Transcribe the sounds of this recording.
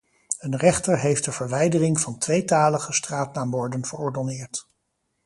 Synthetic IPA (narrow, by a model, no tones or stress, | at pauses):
ənrɛχtəɹɦejft̚dəv̥əɹʋɛjdərɪŋvɑntʋejtaːləχəstraːtnaːmbɔɹdənv̥əɹɔɹdɔnɪːɹt